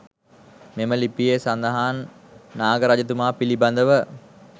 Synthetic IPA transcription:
meməlipijesand̪əɦaːnːaːɡəɾad͡ʒət̪̬umaːpiliband̪əʋə

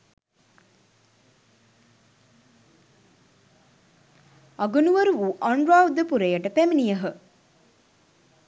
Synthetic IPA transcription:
ɐɡunuʋəɾuʋuʔaɳɖɾaːud̪əpuɾejəʈəpæminijəɦə

